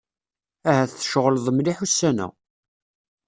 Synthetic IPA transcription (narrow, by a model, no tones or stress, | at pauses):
æɦæθθəʃʁəlðˤəmliħusːænæ̰